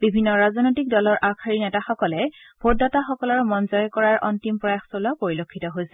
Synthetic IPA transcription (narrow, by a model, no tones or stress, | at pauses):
bibʱinːɔɹazɔnojtik̚dɔlɔɹʔakʰaɹinɛtaxɔkɔlɛ | b̥ʱodɔtaxɔkɔlɔɹmɔnzɔjɔkɔɹaɹʔɔ̰ntimpɹɔjaxsolɔpoɹilokʰːitɔɦojsɛ̥